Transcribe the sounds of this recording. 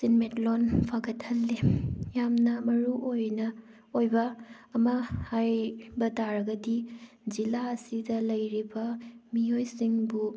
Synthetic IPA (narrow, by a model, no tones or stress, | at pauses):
sinmetlonpʰaɡɐthɐlːejamnɐmɐɾuʔojnɐ | ojbɐː | mɐhajbɐtaɾɐɡɐdi | zilaɐsidɐlɐjɾibɐmijojsiŋbu